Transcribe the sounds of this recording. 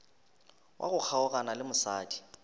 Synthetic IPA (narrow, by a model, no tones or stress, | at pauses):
wʔa̰ɣʊk͡xʰaʊɣanalɪmʊsa̰ːdi̥